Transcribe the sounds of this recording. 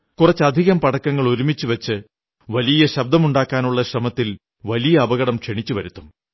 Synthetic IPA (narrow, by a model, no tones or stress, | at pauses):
kurɐt͡ɕːɐd̪ʱiɣɐmpɐɽɐkːɐŋːɐɭoɾumit͡ɕːuʋɐt͡ɕːɨ | ʋɐlijɐɕɐb̚d̪ɐmuɳɖaːkːaːnuɭːɐɕrɐmɐt̪ːil | ʋɐlijɐːbɐɣɐɽɐmkʂeɳit͡ɕːuʋɐɾut̪ːum